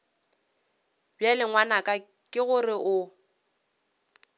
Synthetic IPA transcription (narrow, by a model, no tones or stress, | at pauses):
bjalɪŋwanakʼa | kʼɪɣʊrɪʔʊ